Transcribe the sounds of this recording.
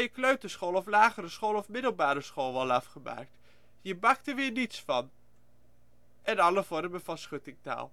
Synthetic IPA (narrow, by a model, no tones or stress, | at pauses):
jəkløɥtəsχoːlˠɔflaːɣəɾəsχoːlˠɔfmɪdəl̩ˠbaːɾəsχoːlˠʋɔlˠafχəma̰ːk̚t | jəbaktəʋɪərnitsfɔn | ʔɛnɑləfɔɾəməfasχøtɪŋta̰ːlˠ